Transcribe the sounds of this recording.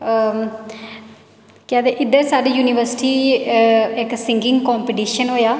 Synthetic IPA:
kaːd̪eːʔɪd̪əɾsaːɖiːjuːnɪʋəɾsʈiː | ɪksɪ̃ŋɡɪ̃ŋɡkɔːmpiʈiːʃənɦoːjaː

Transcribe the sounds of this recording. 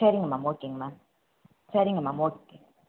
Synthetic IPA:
aɾiŋmamokːiŋma | t͡ʃaɾiŋamamokːi

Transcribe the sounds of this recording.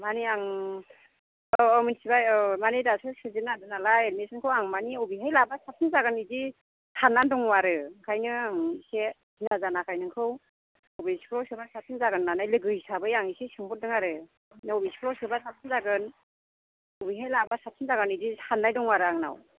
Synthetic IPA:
maniaŋ | minsibajɯmanidasɯsɯzinadɯnalaenesɯnkʰɯwaŋmaniɔbiɦajlabasap̚sʰinzaɡɯnidi | tʰanːandɔŋwaɾɯkʰajnɯaŋise | zinazanakʰajnɯŋkʰɯw | ɔbisi̥pʰɾɔwsɯbasap̚sʰinzaɡɯnːanajlɯɡɯjsabɯjaŋisesɯŋbɔt̚dɯŋaɾɯ | nɯɔbisi̥pʰɾɔwsɯbasap̚sʰinzaɡɯn | ɔbiɦajlabasap̚sʰinzaɡɯnidihʰanːajdɔŋwaɾɯaŋna̰w

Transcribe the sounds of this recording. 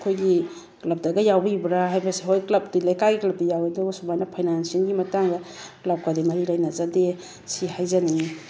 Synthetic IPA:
kʰojɡi | klɐp̚dɐɡɐjawbibɾaɦajbɐsiɦojklɐp̚dilajkaɡiklɐp̚dijawedɐɡɐsubajnɐpʰajnansinɡimɐtaŋɡɐklap̚kadimɐɾilɐjnɐzade | sihajzani

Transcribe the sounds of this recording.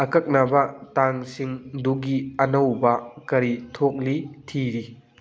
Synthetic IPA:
ɐkɐk̚nabɐtaŋsiŋduɡiɐnɐwbɐkɐɾitʰok̚litʰiɾi

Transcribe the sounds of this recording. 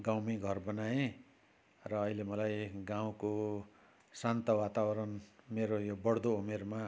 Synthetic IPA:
ɡawmiɡʱʌrbʌnae | rʌːilemʌlajɡãw̃ko | sant̪ʌwat̪awʌɾʌnmeɾojobʌɽd̪oumerma

